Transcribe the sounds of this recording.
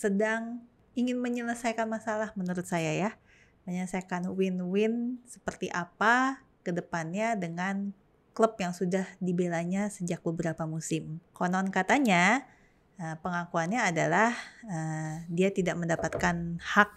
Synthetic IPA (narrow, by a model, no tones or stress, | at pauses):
sədaŋ | iŋɪnməɲələsajkanmasalahmənuɾʊt̪̚sajaja | məɲələsajkanwɪnwɪnsə̥pərt̪iʔapa | kədəpanɲadəŋan | kləpjaŋsudahdibelaɲasəd͡ʒak̚bəbəɾapamusɪmkonɔnkat̪aɲa | ʔəpəŋakuanɲaːdalahədiat̪idaʔməndapat̪̚kanhak̚